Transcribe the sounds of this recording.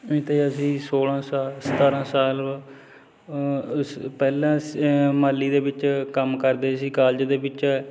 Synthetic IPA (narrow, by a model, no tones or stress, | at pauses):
ẽːt̪eːəsĩːsoːlãːsaːlsət̪aːɾãːsaːl | pɛːlãːmaːlːiːd̪eːbɪt͡ʃkəmkəɾd̪eːəsĩːkaːld͡ʒd̪eːbɪt͡ʃː